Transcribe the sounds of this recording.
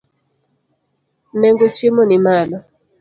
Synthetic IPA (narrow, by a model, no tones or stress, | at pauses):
nɛŋɡot͡ʃemɔnimalɔ